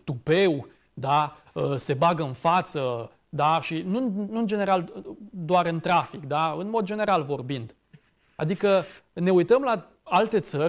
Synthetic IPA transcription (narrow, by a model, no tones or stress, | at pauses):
t̪upe̞w | d̪a | əse̞baɡəɨnfat̪sə | d̪aʃinunuɨnd͡ʒe̞neɾald̪oaɾɨnt̪ɾafikd̪aɨnmo̞d̪̚d͡ʒe̞ne̞ɾalvo̞rbind̪̥ | a̰d̪ikəne̞ujt̪əmla | alt̪e̞t̪sərʲ